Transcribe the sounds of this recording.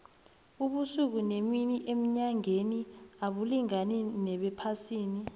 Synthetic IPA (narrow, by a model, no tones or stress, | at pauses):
uɓusuk̬uneminiʔem̩ɲaŋeniaɓuliŋaninɛɓɛpʰasiːni